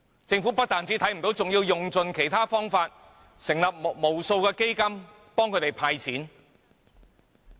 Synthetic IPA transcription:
t͡sɪ˧ŋfuː˨˥pɐ˥t̚t̪aː˨nt͡siː˨˥t̪ʰɐ˨˥jm̩˨˩t̪o˨˥wt͡sʊ˨ŋjiː˧wjʊ˨ŋt͡sɵ˨nkʰe˨˩jt̪ʰaː˥fɔː˥ŋfaː˧t̚ | sɪ˨˩ŋlɐ˨p̚m˨p̚mo˨˩wso˧wkɛː˧ke˥jkɐ˥m | pɔː˥ŋkʰɵ˨˧˥t̪e˨jpʰaː˧jt͡sʰiː˨˥n

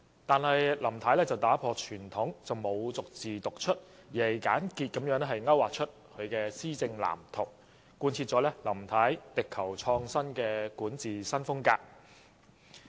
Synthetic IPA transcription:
t̪aː˨nhɐ˨jlɐ˨˩mt̪ʰaː˨˥jlɛː˥t͡sɐ˨wt̪aː˨˥pʰɔː˧t͡ʃʰyː˨˩nt̪ʰʊ˨˥ŋt͡sɐ˨wmo˨˧wt͡sʊ˨k̚t͡siː˨t̪ʊ˨k̚t͡ʃʰɵ˥t̚jiː˨˩ɐ˨jka̰ː˨˥nkiː˧t̚kɐ˨˥mjœː˨˥ŋlɛ˥ɦɐ˨jŋɐ˥waː˨˩k̚t͡ʃʰɵ˥t̚kʰɵ˨˧ɥkɛː˧siː˥t͡sɪ˧ŋla̰ː˨˩mt̪ʰʊ˨˩w | kːuː˧nt͡sʰiː˧t̚t͡sɔː˨˥lɛː˥lɐ˨˩mt̪ʰaː˨˥jt̪ɪ˨kʰːɐ˨˩wt͡ʃʰɔː˧ŋsɐ˥nkɛː˧kuː˨˥nt͡siː˨˩sɐ˥nfʊ˥ŋkaː˧k̚

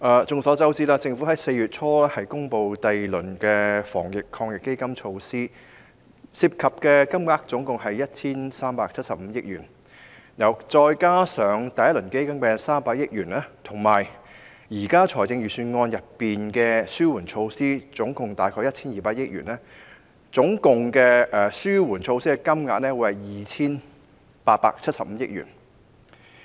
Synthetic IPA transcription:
ʔaː˨t͡sʊ˨ŋsɔː˨˥t͡sɐ˥wt͡siː˥laː˧t͡sɪ˧ŋfu˨˥hɐ˨˥jse˧jyː˨t̚t͡sʰɔː˥lɛː˥hɐ˨jkʊ˥ŋpo˧wt̪ɐ˨jlɵ˨˩nkɛː˧fɔ̰ː˨˩ŋjɪ˨kʰːɔː˧ŋjɪ˨kːe˥jkɐ˥mt͡ʃʰo˧wsiː˥ | siː˧p̚kʰɐ˨p̚kɛː˧kɐ˥mŋaː˧˥k̚t͡sʊ˨˥ŋkʊ˨ŋɦɐ˨jjɐ˥t̚t͡sʰiː˥nsaː˥mpaː˧k̚t͡sʰɐ˥t̚sɐ˨p̚m̩˨˧˦jɪ˥k̚jyː˨˩n | jɐ˨˩wt͡sɔː˧jkaː˥sœː˨˥ŋt̪ɐ˨jɐ˥t̚lɵ˨˩nke˥jkɐ˥mpɛː˧saː˥mpaː˧k̚jɪ˥k̚jyː˨˩nɛː˥t̪ʰʊ˨˩ŋmaː˨˩j | jiː˨˩kaː˥t͡ʃʰɔː˨˩jt͡sɪ˧ŋjyː˨syː˧nŋɔː˧njɐ˨pːiː˨nkɛː˧syː˥wuː˨˩nt͡ʃʰo˧wsiː˥t͡sʊ˨˥ŋkʊ˨˩ŋt̪aː˨jkʰɔː˧jɐ˥t̚t͡sʰiː˥njiː˨paː˧t̚jɪ˥k̚jy̰ː˨˩nɛː˥ | t͡sʊ˨˥ŋkʊ˨ŋkɛ˧ʔɛː˨syː˥wuː˨˩nt͡ʃʰo˧wsiː˥kɛ˧kɐ˥mŋa̰ː˧˥k̚nɛː˥wu˨˧˥hɐ˨jjiː˨˩t͡sʰiː˥n | paː˧t̚pa̰ː˧k̚t͡sʰɐ˥t̚sɐ˨p̚m̩ː˨˦jɪ˥k̚jy̰ː˨˩n

